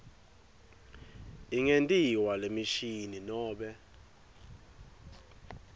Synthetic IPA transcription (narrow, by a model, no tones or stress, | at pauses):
iŋentʼiwalemiʃininɔːɓɛ